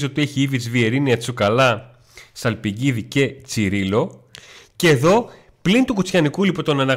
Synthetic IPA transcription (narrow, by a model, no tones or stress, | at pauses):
o̞t̪ieçiivit͡svie̞ɾiniɐt͡sukɐlɐ | sɐlpiɟiðice̞t͡siɾilo̞ceːðo̞ | plint̪ukut͡sçɐnikulipot̪o̞nɐnɐ